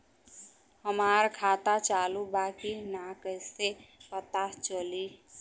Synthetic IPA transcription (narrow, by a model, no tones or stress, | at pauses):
həmaːɾkʰaːt̪at͡ʃaːlubaːkinakəisepət̪at͡ʃəli